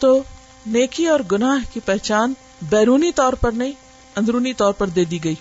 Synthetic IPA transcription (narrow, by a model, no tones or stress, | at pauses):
t̪oː | neːkiɔːɾɡʊnaːɦkipɛɦt͡ʃaːn | bɛːɾuːnit̪ɔːɾpɐɾnɐĩ | ɐ̃nd̪ɾuːnit̪ɔːɾpɐɾd̪eːd̪iɡɐiː